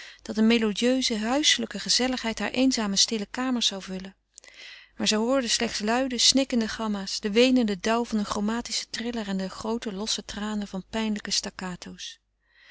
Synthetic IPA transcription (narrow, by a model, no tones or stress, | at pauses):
d̥ɑt̚dəmelodiøɥzəɦœɥsələkəχəzɛləχɦɛjtɦaːɹʔejnzaːməstɪləkaːməɹsz̥ɑwvɵlə | maːɹzɛjɦʊːɹdəslɛχtslœɥdəsnɪkəndəχɑmaːsd̥əʋejnəndədʌwvɑnəχrowmaːtisə̥trɪlərɛndəχrowtəlɔsətraːnəvɑnpɛjnləkəstakaːtʰows